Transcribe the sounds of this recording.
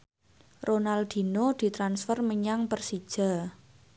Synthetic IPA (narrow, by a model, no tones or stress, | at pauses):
ronald̪̥i̤nod̪̥i̤t̪ɾansfərməɲaŋpərsid̥ʒ̥a̤